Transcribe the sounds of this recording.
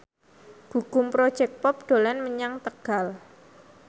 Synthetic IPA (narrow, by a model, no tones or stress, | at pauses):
ɡ̥ukʊmpɾod̥ʒ̥ɛk̚pɔp̚ɖ̥o̤lɛnməɲaŋt̪əɡ̥al